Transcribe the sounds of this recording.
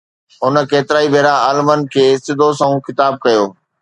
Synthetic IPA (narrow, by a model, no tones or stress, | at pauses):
ɦʊnə̆keːt̪ɪɾaːibʱeːɾaaːlmən̆kʰeːsɪd̪ʱosɐ̃ũkɪt̪aːb̚kɐjoː